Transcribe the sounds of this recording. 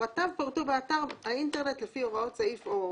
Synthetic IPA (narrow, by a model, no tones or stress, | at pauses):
atavpaʁt̪ubeataʁainteʁne̞tlefioʁaotsaifo